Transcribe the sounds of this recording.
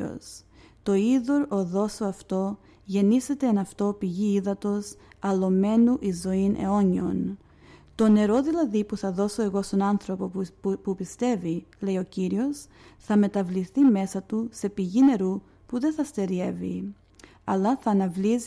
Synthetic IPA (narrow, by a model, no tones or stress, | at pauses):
o̰s | t̪o̞iðo̞ɾo̞ðo̞soɐft̪o̞ | ʝe̞nise̞t̪e̞ːnɐft̪o̞piʝiiðɐt̪o̞sɐlo̞me̞nuʔizo̞inʔe̞̰o̞ɲio̞̰n | t̪o̞ne̞ɾo̞ðilɐðipuθɐðo̞so̞e̞ɣo̞st̪o̞nɐnθɾo̞popupist̪e̞vile̞io̞ciɾio̞sθɐme̞t̪ɐvliθime̞sɐt̪use̞piʝine̞ɾu | puðe̞θɐst̪e̞ɾie̞vḭ | ɐlɐθɐːnɐvliz